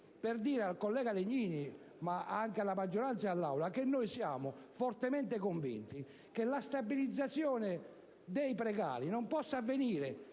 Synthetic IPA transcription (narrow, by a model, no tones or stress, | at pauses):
peɾd̪iːɾɛalkɔlːɛːɡaðeɲːiːni | maaŋkealːamad͡ʒːɔɾant̪saalːa̰wlakenːojsjaːmʊfɔɾt̪ɛmɛnt̪ekoɱvḭnt̪i | kelast̪abilid̪zːat̪sːjɔːnɛ | d̪ejpɾɛɣa̰ːɾinɔmpɔsːaːvːeniːɾɛ